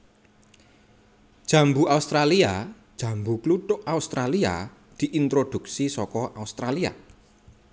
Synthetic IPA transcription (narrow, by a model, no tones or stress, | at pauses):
d̥ʒ̥ä̤mbuaust̪ɾaliad̥ʒ̥ä̤mbukluʈʊʔaust̪ɾalia̰ | d̪̥i̤ʔint̪ɾod̪̥ṳksisɔkɔʔaust̪ɾalia̰